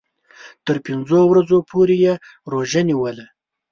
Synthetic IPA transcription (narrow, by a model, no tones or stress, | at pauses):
t̪əɾpɪnzowɾad͡zopʰoɾeje | ɾoʒəniwəla